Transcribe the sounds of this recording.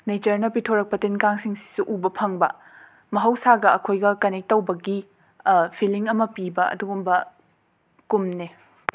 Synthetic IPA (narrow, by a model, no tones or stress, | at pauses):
net͡ʃɐɾnɐpitʰoɾɐk̚pɐtenkaŋsiŋsi̥suʔubɐpʰɐŋbɐ̰ | mɐɦɐwsaɡɐɐkʰojɡɐkɐnek̚tːɐwbɐɡi | pʰiliŋɐmɐpibɐɐ̰duɡumbɐ | kumne